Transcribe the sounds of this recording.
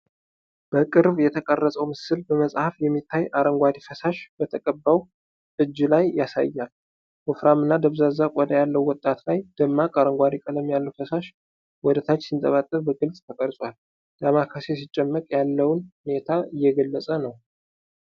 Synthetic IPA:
b̥əkʼɨɾβjɛt̪ʰəkʼərːəsʼəwmɨsɨlbəməsʼhafjɛmːit̪ʰːajʔaɾəŋɡʷad̪ifəsaʃb̥ət̪ʰəkʼəbːaw | ʔɨd͡ʒːlajːasa̰jːal | hʊfɾamɨnːad̪əβzazakʷʼɔd̪əjalːəwwɔt̪ʼːat̪lajd̪̥əmːakʼaɾəŋɡʷad̪ikʼələmjalːəwfəsaʃ | wɔd̪ət̪ʰat͡ʃːsint̪ʼəβat̪ʼːəβbəɡɨlsʼt̪ʰəkʼəɾsʼwal | d̪̥amakʰasesit͡ʃʼːɛmːəkʼjalːəwnhunet̪ʰaɨjːɛɡəlːəsʼənəw

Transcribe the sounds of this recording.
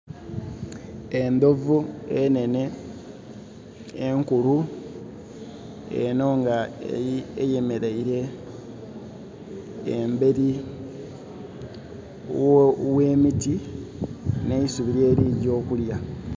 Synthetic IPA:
e̞nd̪o̞vuene̞ne̞ | ŋkulu | ḛno̞ŋɡa | ejeme̞ɾeiɾe̞ | embe̞ɾi | we̞ːmiti | neisuβiɾe̞ːɾiːɟo̞ːkulja

